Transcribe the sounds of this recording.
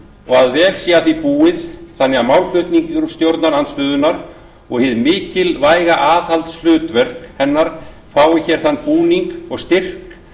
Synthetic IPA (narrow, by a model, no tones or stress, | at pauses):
ɔɣaðvɛːlsiːaθipuːɪðθanːɪamawlfʏht̪niŋcʏɾst̪jowɾt̪naɾant̪st̪ʏːðʏnaɾ | ɔɣhɪðmɪːcɪlvaːjɣaʔaːθhalt̪sl̥ʏːt̪vɛr̥khɛnːaɾ̥ | faːwɪçɛːɾ̥θanːpuːniŋkɔɣst̪ɪr̥k